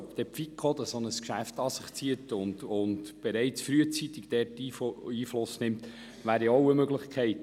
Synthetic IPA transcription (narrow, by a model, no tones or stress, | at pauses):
pd̥ɛpfikʰχod̪əsonəskʃæft̪ɑsɪχt͡siətʊnd̪ʊndb̥eɾɛɪt͡sfɾyət͡sit̪ɪɡ̥d̥̪ɛːɾtiːiːflʊsnɪmt̪ | ʋæːɾiɔwəmøɡləχkχɛɪt